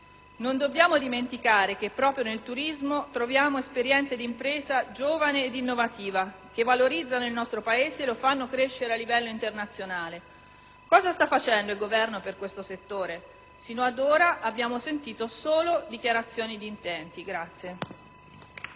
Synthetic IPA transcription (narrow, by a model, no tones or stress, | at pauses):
nond̪obːjaːmod̪iment̪ikaːɾek̟epːɾɔːpɾjonelt̪uɾizmot̪ɾovjaːmoespeɾjɛnt̪sed̪impɾeːzad͡ʒoːvaneːd̪inːovat̪iːva | k̟evːaloɾid̪zːanoilnɔst̪ɾopaeːzeːlofanːokɾeʃːeɾealːivɛlːoint̪ernat̪sːjonaːle | kɔːzast̪afːat͡ʃɛnd̪oilɡovɛrnoperkwest̪oset̪ːoːɾe | siːnoad̪oːɾaʔabːjaːmosent̪iːt̪osoːlod̪ikjaɾat̪sːjoːnid̪iːnt̪ɛnt̪iɡɾat̪sːje